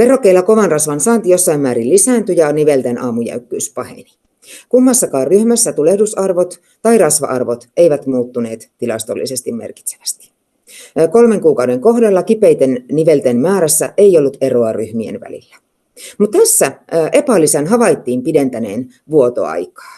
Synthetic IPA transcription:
ʋerokːeilːɑko̞ʋɑnrɑsʋɑnsɑːnt̪ijo̞sːɑimmæːɾillisæːnt̪yjɑniʋelt̪enʔɑːmujæ̰ykːyːspɑhḛni̥ | kumːɑsːɑkɑːrryhmæsːæt̪ulehdusɑrʋot̪ | t̪ɑirɑsʋɑ̰ʔɑ̰rʋot̪eiʋæt̪muːt̪ːune̞ːt̪t̪ilɑst̪olːḭsest̪immerki̥t̪se̥ʋæ̥st̪i̥ | kolmeŋkuːkɑwdeŋkoɦdelːɑkipejt̪enniʋelt̪enmæːɾæsːæ̰ʔeiolːut̪eroɑryhmiḛnʋæ̰lḭlːæ̥ | mut̪t̪æsːæʔe̞pælisænɦɑʋɑit̪ːiːmpident̪ænḛːn | ʋuot̪o̰ɑ̰jkɑ̥ː

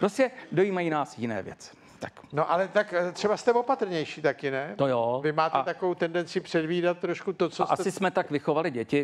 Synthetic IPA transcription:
pɾoscɛdo̞jiːmajiːnaːsjɪnɛ̰ːvjɛ̰t͡sɪ̥ | t̪aknoʔalɛt̪akt̪r̥ɛbast̪ɛvopat̪ɾ̩ɲɛjʃiːt̪akɪnɛt̪ojoːvɪmaːt̪ɛt̪akovowt̪ɛndɛnt͡sɪpr̝̥ɛdviːdat̪ːɾoʃkut̪ot͡soʔa̰sɪsmɛt̪akvɪxo̞valɪɟɛcɪ

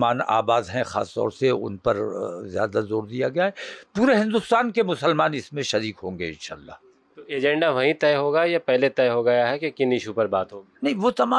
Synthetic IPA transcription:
maːna̰ːbaːd̪ɦɛ̃xa̰ːst̪ɔ̰ːɾseʊ̰npɐɾzja̰ːd̪azoːɾd̪ijaɡɐjaɦɛpuːɾeɦɪ̃nd̪ʊst̪aːnkemʊsəlmaːnɪsmẽʃɐɾiːkɦõːŋɡeɪ̰̃nʃa̰ːlːa̰ | t̪oeːd͡ʒɛ̃ɳɖaʋɐɦĩt̪ɛːɦoːɡajapɛɦlet̪ɛːɦoɡɐjaɦɛkekɪnɪʃupɐɾbaːt̪ɦoːɡiːnɐɦĩʋot̪ɐmaː

